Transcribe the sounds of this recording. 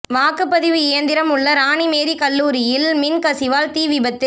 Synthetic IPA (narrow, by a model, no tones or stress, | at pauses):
ʋaːkɯpːɐðɪʋɯɪjɐnd̪ɪɾɐmʊɭːɐɾaːɳimeːɾikɐlːuːɾɪjɪlmɪnkɐsɪʋaːlt̪iːʋɪbɐt̪ːɪl